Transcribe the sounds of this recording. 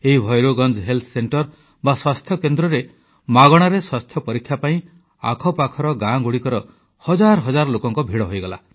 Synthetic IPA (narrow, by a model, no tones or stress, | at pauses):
eɦibʱɔjɾoɡɔnd͡ʒɦelt̪ʰseɳʈɔɾ | baswast̪ʰjɔkend̪ɾɔɾe | maɡɔɽ̃aɾeswast̪ʰjɔpɔɾikʰːjapaĩ | a̰kʰɔpakʰɔɾɔɡãɡuɽikɔɾɔ | hɔd͡ʒaɾɔɦɔd͡ʒaɾɔlokɔŋkɔbʱiɽɔɦojɡɔla